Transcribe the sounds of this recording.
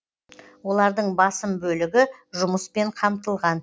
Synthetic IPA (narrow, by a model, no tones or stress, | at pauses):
wo̞lˠɑɾd̪əɴbɑsəmbɵlɪɡʲɪʒʊməspe̞ɴqʰɑmt̪əlˠʁɑn